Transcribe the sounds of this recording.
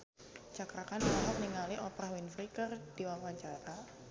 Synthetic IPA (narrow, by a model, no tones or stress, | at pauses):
t͡ʃakɾakanaɦat̚niŋaliʔɔpɾahwinfɾikɨrd̥iwawaɲt͡ʃaɾa